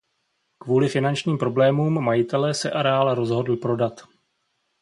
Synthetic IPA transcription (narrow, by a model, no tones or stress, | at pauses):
kvuːlɪfɪnant͡ʃɲiːmpɾo̞blɛːmuːmːajɪt̪ɛlɛːsɛʔaɾɛaːlɛɾo̞zɦo̞dl̩pɾo̞dat̪